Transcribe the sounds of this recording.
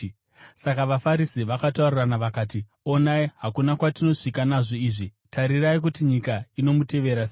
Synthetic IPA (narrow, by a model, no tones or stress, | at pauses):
sakaʋafaɾisiʋakatauriranaʋakaːt̬i | o̞naiɦakunakwatino̞ʂikanaʐo̞iːʐi | tʰaɾiraik̬utiɲikaino̞mute̞ʋe̞ɾase